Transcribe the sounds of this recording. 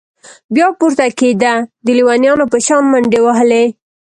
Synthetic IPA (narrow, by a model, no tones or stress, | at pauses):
bjɑpuɾt̪aked̪ad̪əliwɑnjɑnopəʃɑnmaɳɖewaɦəle